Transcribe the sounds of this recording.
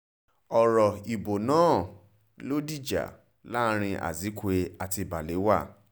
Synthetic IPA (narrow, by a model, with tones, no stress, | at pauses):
ɔ˨ɾɔ˨i˨bo˨nãː˦˨ | lo˦di˦˨d͡ʒa̰˨ | la˦˧˦ɾ̃ĩ˧ʔa̰˨zi˨˦kʷe˧a˨ti˧ba˨le˨˦wa̰˦˨